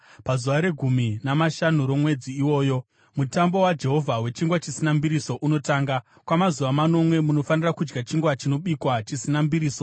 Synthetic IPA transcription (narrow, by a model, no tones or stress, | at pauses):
pazuʋaɾe̞ɡʱuminamaʃanuɾo̞mwe̞d͡ziːwo̞ːjo̞ | mutambo̞wad͡ʒe̞ɦo̞vʱawe̞t͡ʃiŋɡwat͡ʃisinambiɾiso̞ʔuno̞taːŋɡa | kwamazuʋamano̞mwe̞muno̞fanirakud͡ʒɡat͡ʃiŋɡwat͡ʃino̞ɓikwat͡ʃisinambiɾiːso̞